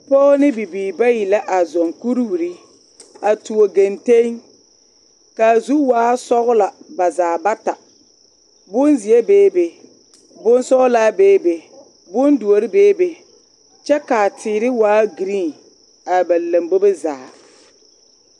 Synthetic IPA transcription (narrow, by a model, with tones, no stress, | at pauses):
pɔː˦nɪ˦bi˨biː˨ba˦ji˨la˦ʔa˨zɔ˨ŋku˦ɾu˦wɾi˦ | a˨tu˨o˨ɡe˨nte˦ŋ | ka˨zu˦waː˦sɔ˦ɣʊ˦la˨ba˨zaː˨ba˦ta˨ | bʊ˦nzi˨e˦beː˦be˨ | bʊ˦nsɔ˦ɣlaː˦beː˦be˨ | bʊ˦ndu˨o˨ɾɪ˦beː˦be˨ | t͡ʃɛ˦ka˨tʰɪː˨ɾɪ˦waː˦ɡi˨ɾi˦˨ | a˨ba˨la˨mbo˦be˦za̰ː˨